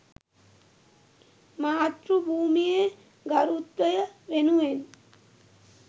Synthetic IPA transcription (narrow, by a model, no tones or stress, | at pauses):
maːt̪ɾubʱuːmije | ɡaɾut̪ːɐjaɾenuen